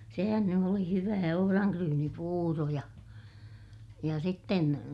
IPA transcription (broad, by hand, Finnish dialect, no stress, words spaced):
sehæn ny oli hyʋæː ohorɑŋkryːnipuːro jɑ jɑ sitːen